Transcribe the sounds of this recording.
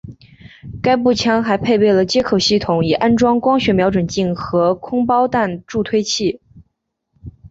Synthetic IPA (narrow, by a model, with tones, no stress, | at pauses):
ka˥ɪpu˥˩t͡ɕʰjɑ˥ŋxa˧˥ɪpʰe˥˧ɪpe˥˩ɪlə˩t͡ɕjɛ˥kʰo˨˩ʊɕi˥˩t̪ʰʊ˧˥˦ŋi˨˩ʔa˥nʈ͡ʂwɑ˥ŋkwɑ˥ŋɕɥɛ˧˥mjɑ˧˥ʊʈ͡ʂwə˨˩nt͡ɕi˥˩ŋxɤ˧˥kʰʊ˥ŋpɑ˥ʊt̪a˥˧nʈ͡ʂu˥˧t̪ʰwe˥ɪt͡ɕʰi˥˩